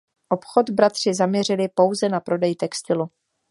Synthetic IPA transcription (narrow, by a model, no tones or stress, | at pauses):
ʔo̞pxo̞t̪bɾat̪r̝̥ɪzamɲɛrɪlɪpo̞wzɛnapɾo̞dɛjt̪ɛkst̪ɪlu